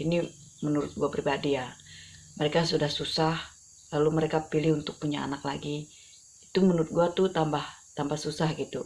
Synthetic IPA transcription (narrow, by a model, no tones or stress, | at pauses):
ini | mənuɾʊ̰t̪̚ɡuapɾibadija | məɾekasudahsusah | laluməɾekapilɪhunt̪ʊk̚puɲaa̰naklaɡi | it̪umənuɾʊt̪̚ɡuat̪ʊt̪ambaht̪ambasusahɡit̪u